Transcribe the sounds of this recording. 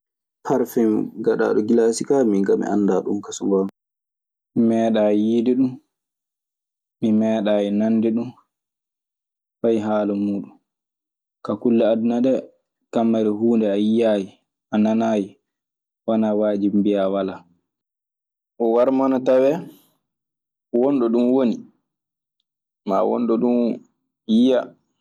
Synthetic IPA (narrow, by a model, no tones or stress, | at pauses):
pʰaɾfɛmɡaɗa̰ːɗɔɡilasikamiŋɡamḭʔa̰nːdaɗumkasuŋɡan | mimɛːɗajiːdiɗum | imɛːɗaːjɛnanːdɛɗum | fajɦaːlumuːɗum | kakulːaadunaɗɛ | kamːaɾɛɦuːndɛajijaji | ananaːji | wanawaːd͡ʒimbijawala | ʔɔwaɾmanatawɛ | wɔnɗɔɗumwoni | ma̰wɔ̰nɗɔɗum | jija